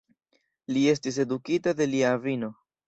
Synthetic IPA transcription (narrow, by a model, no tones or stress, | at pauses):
lie̞stis̬e̞dukitade̞liavino̞